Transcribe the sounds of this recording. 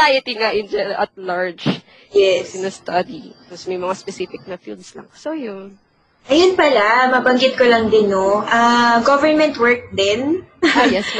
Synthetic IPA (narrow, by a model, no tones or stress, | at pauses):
ajɪt̪iŋaʔɪnd͡ʒɛɾʔɐt̪̚laɹd͡ʒ | jɛsnɐst̪ɐd̪iposmɐjmɐŋaspɛsifɪk̚nɐfḭld̪slɐ̰ŋsojʊn | ʔɐjʊnpɐlamɐbɐŋɡɪt̪̚kolɐŋd̪ɪnoʔaɡovɛɹnmɛnt̪wɛɹk̚d̪ɛnajɛsm